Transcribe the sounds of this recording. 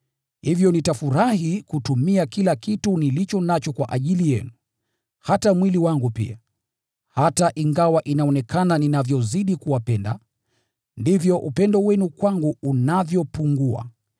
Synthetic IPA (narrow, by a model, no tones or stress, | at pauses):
hivjɔnitafuɾahikutumiakilakitunilit͡ʃɔnat͡ʃɔkwaʔaʄilijɛnu | hatamwiliwaŋɡupḭa | hataʔiŋɡawaʔinaɔnɛkʰananinavjɔziɗikuwapɛnda̰ | ndivjɔʔupɛndɔwɛnukwaŋɡuːnavjɔpuŋɡua̰